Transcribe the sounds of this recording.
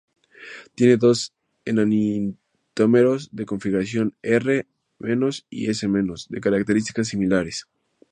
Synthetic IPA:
t̪je̞ne̞ðo̞s | enanin | t̪omeɾo̞zðe̞ko̞ɱfiɣɾasjo̞nere | mẽ̞nosḭesemẽnosd̪ḛkaɾak̚t̪eɾis̬t̪ikas̬ːimilaɾes

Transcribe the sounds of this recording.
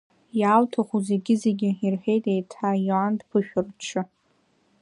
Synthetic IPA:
jaːltʰaχuze̞ɡʲɪze̞ɡʲɪirħʲe̞jtʼejtʰajuandpʰɨʃᶣʊrt͡ʃʰɨ

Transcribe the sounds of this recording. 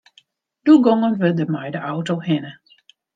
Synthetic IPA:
d̥uɡɔŋənʋədəmajdəʔawtohɪnə

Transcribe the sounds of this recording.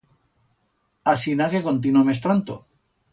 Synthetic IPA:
asinakekont̪̬inomes̬t̪ɾant̪o̰

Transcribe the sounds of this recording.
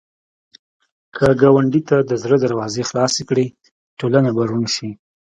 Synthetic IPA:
kʰəɡɑwaɳɖit̪ad̪əzɾəd̪aɾwɑzexlɑsekɽi | ʈolanabaɾunʃi

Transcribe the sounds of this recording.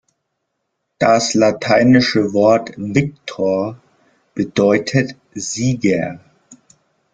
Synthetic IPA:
d̥aslatʰaɪnɪʃəvɔɐtvɪk̚tʰoːɐ | b̥ədɔʏtʰət | z̥iːɡɛ

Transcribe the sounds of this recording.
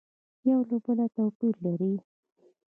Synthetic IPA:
jawlobəlat̪awpiɾlaɾi

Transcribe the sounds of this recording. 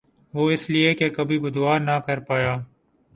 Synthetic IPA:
ʋoːɪsliekekɐbʱibʊd̪ʋaːɾnakɐɾpaːjaː

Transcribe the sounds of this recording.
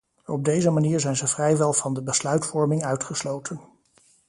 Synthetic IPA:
ɔb̚dejzəmaniːɹzɛjnzəvrɛjʋɛlˠv̥ɑndəbəslœɥtfɔɹmɪŋœɥtχəslowtʰən

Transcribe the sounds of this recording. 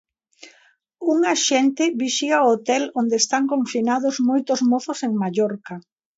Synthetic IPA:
uŋaʃɛnt̪ɪβiʃiaoot̪ɛlond̪eːst̪aŋkoɱfinaðozmojt̪ʊzmoθʊseŋmaʎɔɾka

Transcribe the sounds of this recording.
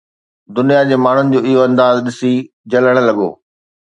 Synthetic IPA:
d̪ʊnijad͡ʑeːmaːɳ̤ʊnɪ̆d͡ʑoːɪɦoɐ̃nd̪aːzɗɪsi | d͡ʑɐləɽ̃̆lɐɠo̰ː

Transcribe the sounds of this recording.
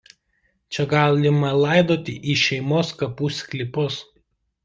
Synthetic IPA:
t͡ʃʲɛɡɑːlʲɪmɐlˠɑˑɪd̪oːt̪ʲɪʔiːʃʲɛɪmoːskɐpuːsʲkʲlʲɪpʊs

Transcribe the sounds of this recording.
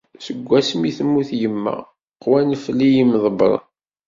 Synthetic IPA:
səɡʷːæsmiθmːuθjəmːæ̰ | qwænflijimðˤəbɾˤɑ̰

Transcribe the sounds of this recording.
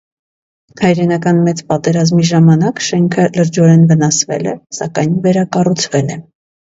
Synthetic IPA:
hɑjɾɛnɑkɑnmɛt͡spɑt̪ɛɾɑzmiʒɑmɑnɑkʃɛŋkʰələɾd͡ʒɔɾɛnvənɑsvɛ̰lɛ̰sɑkɑjnvɛɾɑkɑrut͡sʰvɛlɛ

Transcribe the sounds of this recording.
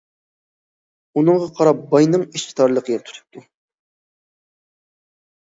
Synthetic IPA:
unɨŋʁɑqʰɑɾɑp̚bɑjnɨŋiʃki̥t̪ʰɑɾlˠəqʰəɡɛt̪ʰu̥t̪ʰu̥p̚t̪ʰu

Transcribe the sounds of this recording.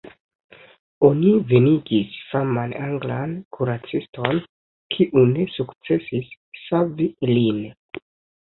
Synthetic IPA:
o̞nive̞niɡisfamanaŋɡlankʰuɾat͡sisto̞n | kʰiʔune̞sukt͡se̞sisː | avilin

